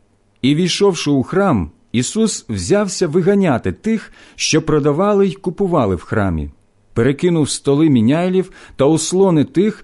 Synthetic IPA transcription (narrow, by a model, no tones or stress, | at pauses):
iʋʲijʃɔwʃɪuxɾɑm | isuswzʲɑwsʲɐʋɪɦɐnʲat̪ɪt̪ɪx | ʃt͡ʃɔpɾɔd̪ɐʋɑlˠɪjkʊpʊʋɑlˠɪ̰wxɾɑ̰mʲḭ | peɾekɪnʊwst̪ɔlˠɪmʲinʲajlʲiwt̪ɐʊslˠɔnɪt̪ɪx